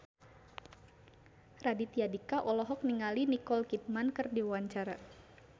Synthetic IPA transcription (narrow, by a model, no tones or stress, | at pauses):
radit̪iadikaʔɔlɔɦɔk̚niŋalinikɔlkit̪̚mankɨrdiwaɲt͡ʃaɾa